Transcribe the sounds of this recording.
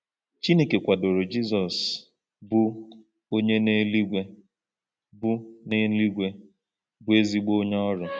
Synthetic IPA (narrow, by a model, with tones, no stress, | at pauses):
t͡ʃi˦ne˨ke˨kʷa˨do˨ɾo˨d͡ʒi˦zɔ˨s | bʊ˦ | o˦ɲe˦ne˦li˦ɡʷe˦ | bʊ˦ne˦n̩˦li˦ɡʷe˦ | bʊ˦e˦zi˦ɡ͡bo˦ɲ˦ɔ˦ɾʊ˨